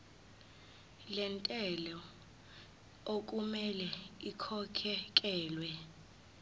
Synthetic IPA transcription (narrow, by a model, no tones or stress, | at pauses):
lɛntʼɛlɔ | ok̬ʼumɛlɛikʰɔkʰɛk̬ʼɛːlwɛ